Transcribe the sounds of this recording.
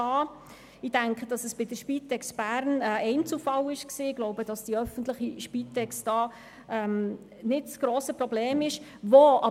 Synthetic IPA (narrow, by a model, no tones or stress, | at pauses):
ɑː | ɪd̥æŋkχəd̥ɑsəsb̥ɪdəʃpiːt̪ɛksb̥æːɾnəɛɪnt͡sufɑlɪʃksiːɡ̥lɔʊbədɑsd̥iœfən̩t̪lɪχiʃpit̪ɛksd̥ɑː | ɛm | nɪtsɡ̥ɾoːsəpɾɔbleːmɪʃ | voɑ